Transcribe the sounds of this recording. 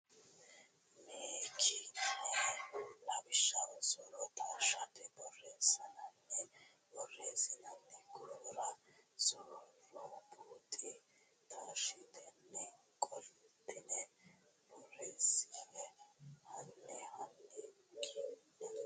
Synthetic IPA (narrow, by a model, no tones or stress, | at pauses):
meːkʰinɛlɐbɪʃɐsɔɾɔt̪ʰaːʃɐt̪ɛbɔreːsɐnɐnːɛ | bɔreːsɪnɐnːɛɡoɾɐzɔɾɾɔbuːt̪ʼɪ | t̪ʰaːʃɪt̪ɛnːɛkʼɔlt̪ɪnɛbɔreːsɪɛhɐnːɛhanːɛkʰinɛ